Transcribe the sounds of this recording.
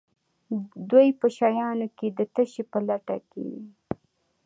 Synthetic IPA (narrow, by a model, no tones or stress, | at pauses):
d̪wojpəʃɑjɑnoked̪ət̪əʃepəlaʈa̰kḛ